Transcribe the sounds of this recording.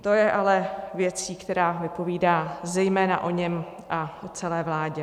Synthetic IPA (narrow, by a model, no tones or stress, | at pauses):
t̪o̞jɛʔalɛvjɛt͡siːkt̪ɛɾaːvɪpo̞viːdaːzɛjmɛːnaʔo̞ɲɛm | ʔaʔot͡sɛlɛːvlaːɟɛ